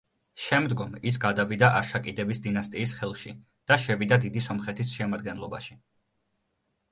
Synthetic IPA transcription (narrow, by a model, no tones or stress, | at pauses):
ʃɛmd̪ɡɔmis̬ɡad̪avid̪aʔaɾʃakʼid̪ɛbisd̪inast̪ʼiːsχɛlˠʃḭ | d̪̥aʃɛvid̪ad̪id̪isɔmχɛt̪ʰisʃɛmad̪ɡɛnlˠɔba̰ʃi